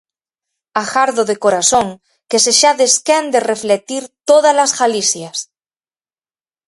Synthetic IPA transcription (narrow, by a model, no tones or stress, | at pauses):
axaɾðoðekoɾasoŋ | keseʃaðeskend̪ereflet̪iɾt̪oðalasɣalisjas